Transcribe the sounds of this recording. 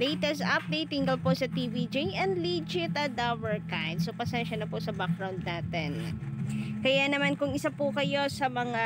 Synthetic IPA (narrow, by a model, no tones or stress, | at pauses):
lɛjt̪ɛsʔɐp̚d̪ejt̪ːɪŋɡɐlposɐt̪ivid͡ʒijʔɛnd̪lid͡ʒɪt̪ɐd̪awɛɹkajd̪̚sopɐsɛnʃɐnɐpoʔsɐbak̚ɹawnd̪̚naːt̪ɛn | kɐjanɐmankʊŋɪsapʊkɐjo̞sɐmɐŋa